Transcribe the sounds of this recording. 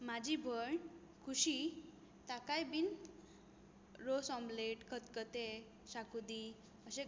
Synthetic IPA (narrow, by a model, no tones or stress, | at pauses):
mad͡ʑibʱəɳ | kʰuɕi | t̪akajbin | ɾosɔmbleʈkʰət̪kət̪e | ɕakud̪i | əɕe